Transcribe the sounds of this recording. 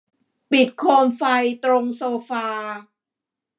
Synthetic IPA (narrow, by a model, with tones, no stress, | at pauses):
pi˨˩t̪̚kʰoː˧mfa˧jt̪ɾo˧ŋsoː˧faː˧